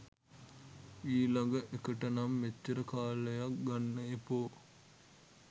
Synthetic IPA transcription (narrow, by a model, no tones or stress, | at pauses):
iːlaɡəʔekəʈənamːet͡ʃːəɾəkaːləjak̚ɡanːəepoː